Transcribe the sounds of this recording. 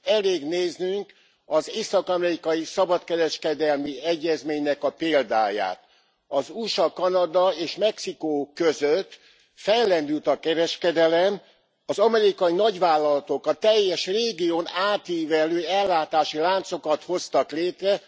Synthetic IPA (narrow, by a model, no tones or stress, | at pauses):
ɛleːɡneːznyŋk | ɒzeːsɒkɒmɛɾikɒjisɒbɒt̪kɛɾɛʃkɛd̪ɛlmiɛɟːɛzmeːɲnɛkɒpeːld̪a̰ːja̰ːt̪ | ɒzuʃɒkɒnɒd̪ɒeːʃmɛksikoːkøzøt̪ː | fɛjlːɛnd̪ylt̪ɒkɛɾɛʃkɛd̪ɛlɛm | ɒzɒmɛɾikɒjinɒɟʋaːlːɒlɒt̪o̞kɒt̪ɛjːɛʃreːɡijoːnaːt̪iːvɛløːɛlːaːt̪aːʃilaːnt̪so̞kɒt̪ho̞st̪ɒkleːt̪rɛ